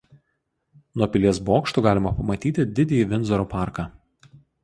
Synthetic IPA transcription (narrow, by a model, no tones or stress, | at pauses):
nuɔpʲɪlʲiɛsboːkʃt̪uːɡɑːlʲɪmɐpɐmɐt̪ʲiːt̪ʲɪd̪ʲɪd̪ʲejiʋʲɪnʲˑzɔɾopɑˑɾkɑː